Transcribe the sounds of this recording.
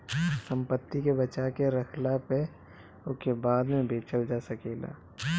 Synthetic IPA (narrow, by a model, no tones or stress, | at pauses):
sə̃mpət̪ːikebɐt͡ʃakeɾɐkʰlape | ʊkebaːd̪mẽbeːt͡ʃəld͡ʒasɐkeːla̰ː